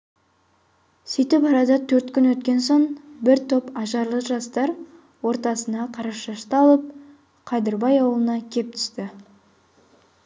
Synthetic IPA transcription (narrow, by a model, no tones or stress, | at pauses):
sijt̪ɪpɑɾɑd̪ɑt̪ʰɵɾt̪kʲʏnwɵt̪kʲe̞nso̞ɴbɪɾt̪ʰo̞pɑʒɑɾlˠəʒɑst̪ɑɾ | wo̞ɾt̪ɑsənɑqʰɑɾɑʃɑʃt̪ɑlˠəp̚ | qʰɑd̪ɪɾbɑjɑwəlˠənɑkʲʰe̞p̚t̪ʰʏ̥st̪ɪ